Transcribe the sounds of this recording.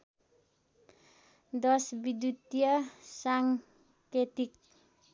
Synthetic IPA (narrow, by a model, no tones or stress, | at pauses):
d̪ɔsbid̪ut̪iəsaŋ | ked̪ɪk̚